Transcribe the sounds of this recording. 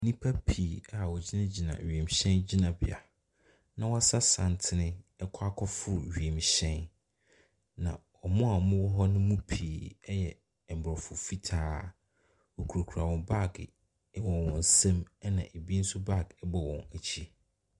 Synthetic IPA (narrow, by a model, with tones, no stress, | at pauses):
nĩ˦pʰa˦pʰiː˨a˨wɔ˨d͡ʑi˦nã˦d͡ʑi˨nã̰˨ɥi˨e˨m˨ɕɛ̃˦nd͡ʑi˦nã˨bɪ̰˨a̰˨ | nã˨wɔ˦a˦sa˦sã˨ntʰɪ˦nɪ̃˦ɛ˦kʰa˦kʰɔ˦fʊ˦ɥi˨e˨m˨ɕɛ̃˦n | nã˨ | ɔ˨mʊ̃˦a˨mʊ̃˦wɔ˦ɦɔ˦nʊ̃˦mũ˦pʰiː˨ɛ˦jɛ˨ | m̩˨bɔ˨fʊ˨fi˦tʰaː˨ | wɔ˨kʰu˨ɾo˨kʰu˨ɾa˨wɔ̃˨ba˦˨ɡ | wɔ̃˨wɔ̃˨n˨sɛ̃˦m˦nã˨ʔe˨bi˦n̩˦sʊ˦ba˦˨ɡɛ˦bɔ˨wɔ̰̃˨næ˨t͡ɕʰi˦